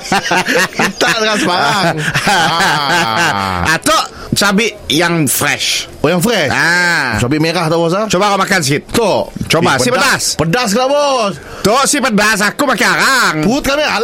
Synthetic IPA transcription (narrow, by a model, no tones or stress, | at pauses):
kit̪aʔkansəbaɾaŋ | at̪oʔ | t͡ʃabɪʔjaŋfɾɛ̰ʃ | ojaŋfɾɛʃat͡ʃabɪʔmekaht̪abos̬at͡ʃobakomakansəkɪt̪̚t̪ot͡ʃobasɪpədaspədas̬kəlabo | t̪osɪhpədas̬akumakiaɾaŋbut̪̚kamial